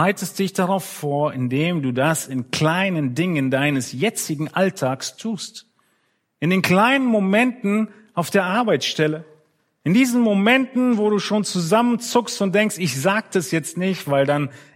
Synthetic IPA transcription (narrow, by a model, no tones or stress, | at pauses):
aɪtəst̚d̥ɪçd̥aʁaʊfːoːɐʔɪndeːmduːdasɪnkl̥aɪnəndɪŋəndaɪnəsjɛt͡sɪɡŋ̩ʔaltʰaːkstʰuːst | ʔɪndeːnkl̥aɪnənmomɛntn̩ | aʊfd̥eːɐʔaɐbaɪt͡ssʃtɛlə | ʔɪndiːzn̩momɛntn̩voːɾuːʃoːnt͡suzamənt͡sʊkstʊnt̚d̥ɛŋkstɪçz̥aːɡ̚d̥asjɛt͡stnɪçtv̥aɪldan